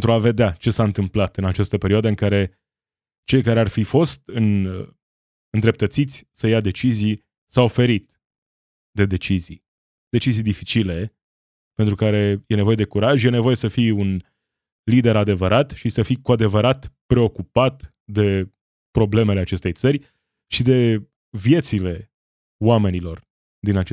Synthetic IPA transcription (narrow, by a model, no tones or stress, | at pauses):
nt̪ɾuave̞d̪eat͡ʃe̞saɨnt̪ɨmplat̪ɨnat͡ʃast̪əpe̞ɾioad̪əɨŋkaɾe̞ | t͡ʃe̞jkaɾe̞arfifo̞st̪ɨn | ɨnd̪ɾep̚t̪ət̪sit̪sʲsəjad̪e̞t͡ʃizij | sawfe̞ɾit̪ | d̪e̞d̪e̞t͡ʃizḭj | d̪e̞t͡ʃizijd̪ifit͡ʃile̞ | pent̪ɾukaɾe̞je̞ne̞vo̞je̞d̪e̞kuɾaʒje̞nevo̞je̞səfiun | lid̪e̞ɾad̪e̞vəɾat̪ʃisəfikuad̪e̞vəɾat̪pɾe̞o̞kupat̪ | d̪e̞ | pɾo̞ble̞me̞leat͡ʃe̞st̪e̞jt̪sərʲ | ʃid̪e̞ | vije̞t̪sile̞ | wame̞nilo̞r | d̪inat͡ʃe